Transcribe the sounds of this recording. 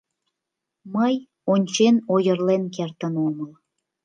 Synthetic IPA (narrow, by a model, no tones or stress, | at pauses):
məj | onʲt͡ɕenojərlenkert̪ənoməl